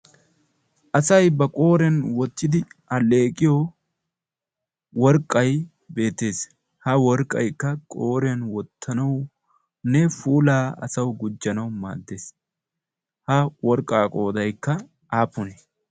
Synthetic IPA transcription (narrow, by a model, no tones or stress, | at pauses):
ʔɐsɐjbɐkʼo̞ːɾɛnwɔt̪ːɪd̪ɪɐle̞ːkʼːɪjo | wɔɾkʼːɐj | be̞ːt̪ːe̞ːs | hɐwɔɾkʼːɐ̰jkːɐkʼoːɾɛɐnwɔt̪ʰːɐnɐw | nɛfuːlaːɐ̰sɐwɡʊd͡ʒːɐnɐwma̰ːd̪ːe̞ːs | hɐwɔɾkʼːaːkʼo̞ːd̪ɐjkːɐ | ʔaːpːʊnɛ